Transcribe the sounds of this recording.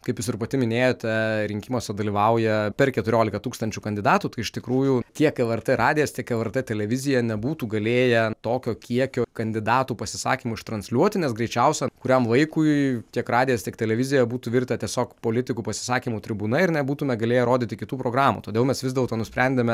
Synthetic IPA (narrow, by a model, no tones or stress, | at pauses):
kɐɪpjʊsɪrpɐt̪ʲɪmʲɪnʲeːjoːt̪ʲɛɾʲɪŋʲkʲɪmoːsʲɛd̪ɐlʲiʋɐʊjɛpʲɛrkʲɛt̪ʊɾʲoːlʲɪkɐt̪uːkst̪ɐnʲt͡ʃʲukɐnʲd̪ʲɪd̪ɑːt̪uːt̪ɐɪɪʃt̪ʲɪkɾuːjut̪ʲiɛkɛlˠɛrt̪ɛɾɑːdʲɪjɛst̪ʲiɛkɛlˠɛrt̪et̪ʲɛlʲɛʋʲɪzʲɪjɛnʲɛbuːt̪uːɡɐlʲeːjɛt̪oːkʲoːkʲʰiɛkʲoːkɐnʲd̪ʲɪd̪ɑːt̪uːpɐsʲɪsɑ̰ːkʲimuːɪʃt̪ɾɐnsʲlʲuɔt̪ʲɪnʲɛsɡɾʲɛɪt͡ʃʲɛʊsʲɛkʊɾʲɛmlˠɐɪkʊɪt̪ʲiɛkrɑːd̪ʲɪjɛstʲiɛkt̪ʲɛlʲɛʋʲɪzʲɪjɛbuːt̪uʋʲɪrʲt̪ʲɛt̪ʲiɛsʲoːkpoːlʲɪt̪ʲɪkuːpɐsʲɪ̥sɑːkʲimuːt̪ʲɾʲɪbunɐɪɾnʲɛbuːt̪ʊmʲɛɡɐlʲeːjɛɾoːd̪ʲɪt̪ʲɪkʲɪt̪uːpɾoːɡɾɑːmṵt̪oːdʲeːlˠmʲɛsʋʲɪzd̪ɛʊt̪onʊsʲpʲɾʲɛnʲd̪ʲemʲɛ